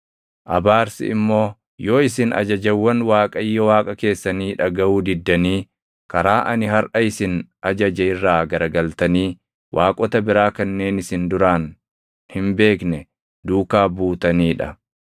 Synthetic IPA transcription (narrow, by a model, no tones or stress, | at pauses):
ʔɐbaːɾsɪ̰ɪmːo̞ː | jo̞ːɪsɪnʔɐ̰d͡ʒɐd͡ʒɐwːɐnwaːkʼɐjːɔwaːkʼɐke̞ːsːɐniːᶑɐɡɐuːd̪ɪd̪ːɐniː | kɐɾaːʔɐnɪhɐɾʔɐɪsɪnʔɐd͡ʒɐd͡ʒɛɪrːaːɡɐɾɐɡɐlt̪ɐniː | wʔaːkʼɔt̪ɐbɪɾaːkɐnːe̞ːnɪsɪnd̪ʊɾaːn | hɪmbe̞ːknɛ | d̪uːkaːbuːt̪ɐniːᶑɐ